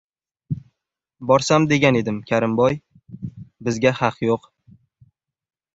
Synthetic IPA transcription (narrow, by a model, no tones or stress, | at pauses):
bɒɾsamd̪e̞ɡʲane̞d̪ɪmkʲʰaɾɪmbɒj | bɪzɡʲahɑqʰjoq